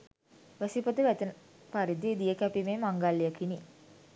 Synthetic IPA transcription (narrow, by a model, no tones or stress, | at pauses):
ʋæsipət̪əʋæt̪ənə | paɾid̪id̪ijəkæpimeːmaŋɡalːijəkini